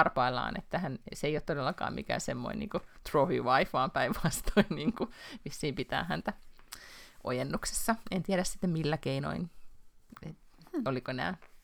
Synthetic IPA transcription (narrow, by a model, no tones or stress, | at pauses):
ɑrpɑilːɑ̰ːnḛt̪ːæhænseijot̪t̪odelːɑkɑ̰ːmmʔḭkæ̰ːsemːo̰inḭːŋkut̪rofḭʋɑifɑːmpæiʋʋɑst̪oinniːŋkumisːiːmpit̪æ̰ːhænt̪æ | ʔo̰jenːukse̥sːɑent̪iæɾæsi̥t̪ːemmilːækeino̰in | et̪olikoenæ̰ː